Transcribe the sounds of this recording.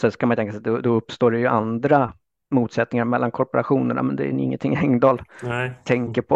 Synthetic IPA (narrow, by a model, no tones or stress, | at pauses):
sɛskamanjʏt̪ɛŋkasɛad̪ɔd̪ɔɵpːst̪oːɖɛjɵʔand̪ɾa | muːt̪sɛt̪̚ːnɪŋaɾmɛlːankʰɔɾpɔɾaɧuːnəɳa̰mɛnd̪ɛ̰ɪ̰ŋːə̰nt̪ʰɪŋːɛŋd̪ɑːlt̪ʰɛŋkəɾpʰɔ